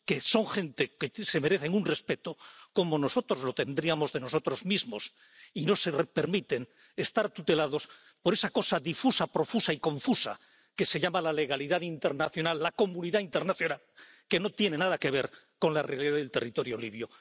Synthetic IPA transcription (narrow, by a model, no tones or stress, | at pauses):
ke̞so̞ŋxe̞nt̪e̞kese̞me̞ɾe̞θeŋunre̞spe̞t̪oko̞mo̞no̞so̞t̪ɾo̞zlo̞t̪e̞nd̪ɾiamo̞zðe̞no̞so̞t̪ɾo̞zmizmo̞s | ino̞sepe̞ɾmit̪e̞ŋ | est̪aɾt̪ut̪e̞laðo̞s | po̞ɾe̞sako̞saðifusapɾo̞fusaikõ̞ɱfusa̰ | ke̞se̞ʎamalale̞ɣ̞aliðaðint̪e̞ɾnaθjo̞nalːako̞mũniðaint̪e̞ɾnaθjonal | ke̞no̞t̪jene̞nað̞ake̞β̞e̞ɾ | ko̞nlarealiðaðlt̪e̞rit̪o̞ɾjo̞liβjo